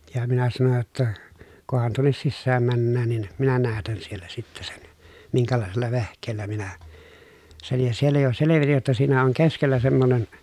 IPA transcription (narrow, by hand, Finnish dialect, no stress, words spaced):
jɑ minæ sɑnoj jotːɑ kohɑn tuonːes sisːæːm mænːæːn nin minæ næːtæn sielːæ sitːe sen miŋkælɑˑeselːɑ ʋehkˑeːlːæ minæ sen jɑ sielːæ jo seleʋitij jotːɑ siːnæ oŋ keskelːæ semːonen